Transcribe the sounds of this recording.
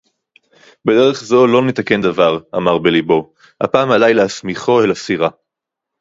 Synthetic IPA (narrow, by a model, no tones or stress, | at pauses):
bed̪e̞ʁeχzo̞lo̞net̪ake̞nd̪avaʁamaʁbelibo̞ | ha̰paːmalajleasmiχo̞elasiʁa